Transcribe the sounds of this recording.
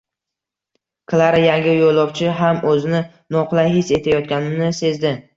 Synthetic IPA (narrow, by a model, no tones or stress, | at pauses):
kʰlˠaɾajaŋʲɪjolˠɒpt͡ʃʰɪɦamɵzɪnɪ | nɒqlˠajhɪse̞t̪ʰajɒt̪̚kʲanɪmnɪse̞zd̪ɪ